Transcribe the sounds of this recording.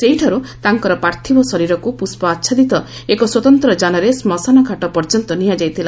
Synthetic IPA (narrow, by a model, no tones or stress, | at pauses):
seɦiʈʰaɾut̪aŋkɔɾɔpaɾt̪ʰibɔsɔɾiɾɔkupuspɔatːʃʰad̪it̪ɔ | ekɔswɔt̪ɔnt̪ɾɔd͡ʒanɔɾesmɔsanɔkʰaʈɔpɔɾd͡ʒɔnt̪ɔniɦad͡ʒajt̪ʰila